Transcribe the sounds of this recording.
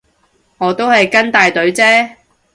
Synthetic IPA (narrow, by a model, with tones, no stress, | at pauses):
ŋɔː˨˧t̪o˥whɐ˨jkɐ˥nt̪aː˨jt̪ɵ˨˥ɥt͡sɛː˥